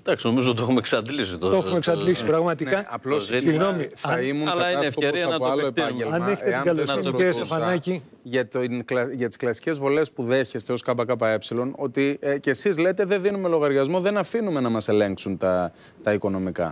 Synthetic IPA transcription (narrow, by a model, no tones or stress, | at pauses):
d̪ɐksino̞mizoot̪oxumeksɐnd̪lisit̪ot̪oxmeksɐlisipɾɐɣmɐt̪inkɐɐplossiɣnomiθɐɐimunlɐɐiɐsfoɾoisɐɐpoɐloepɐɲɟelɐneçt̪eɐɐnɐloseɾsofɐɐnɐci | ʝɐt̪nklɐʝɐt̪i̥sklɐsi̥ce̞zvole̞spuðe̞çe̞st̪e̞o̞skɐp̬ɐkɐp̬ɐe̞psilo̞no̞t̪icesizle̞t̪e̞ðe̞ðinume̞lo̞ɣɐɾʝɐzmo̞ðe̞nɐfinume̞nɐmɐse̞le̞ŋksunt̪ɐ | t̪ɐiko̞no̞mikɐ̰